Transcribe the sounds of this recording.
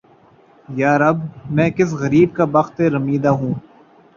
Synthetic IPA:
jaːɾɐbmɛ̃ːkɪs̬ɣɐɾiːb̚kabɐxt̪eɾɐmiːd̪aɦũː

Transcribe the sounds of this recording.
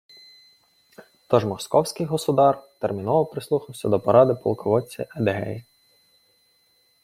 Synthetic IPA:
t̪ɔʒmɔskɔwsʲkɪjɦɔsʊd̪ɑrt̪ermʲinɔʋɔpɾɪslˠuxɐwsʲɐd̪ɔpɔɾɑd̪ɪpɔ̰lˠkɔʋɔt͡sʲːɐ̰ʔɛd̪eɦɛ̰ji

